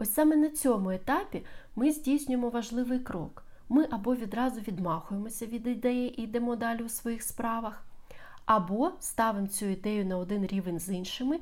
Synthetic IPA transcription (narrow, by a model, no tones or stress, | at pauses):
ɔsʲɑmenɐt͡sʲɔmʊet̪ɑpʲimɪzʲdʲijsʲnʲʊjemɔʋɐʒlˠɪʋɪjkɾɔ̰k | mɪʔɐbɔʋʲid̪ɾɑzʊʋʲid̪mɑxʊjemɔsʲɐʋʲid̪ɪd̪ɛjiʔid̪ɛmɔd̪ɑlʲʊwsʋɔjixspɾɑʋɐx | ɐbɔst̪ɑʋɪmt͡sʲuid̪ɛjʊnɐɔd̪ɪnɾʲiʋenʲzinʃɪmɪ